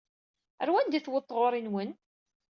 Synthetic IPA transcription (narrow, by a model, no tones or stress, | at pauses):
əɾwænd̪iθwət̪ˤːʁoɾˤinwən